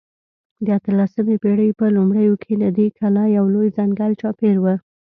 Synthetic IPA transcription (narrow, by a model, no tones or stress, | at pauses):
d̪əat̪əlasəmepeɽəjpəlumɽəjokʰed̪ad̪ekʰalajawlojzaŋɡalt͡ʃɑpeɾwə